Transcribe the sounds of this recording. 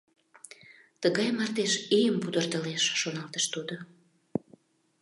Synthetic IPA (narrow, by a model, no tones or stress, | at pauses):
t̪əɣɑjmɑrt̪eʃijəmpud̪ərt̪əleʃːonɑlt̪əʃt̪ud̪o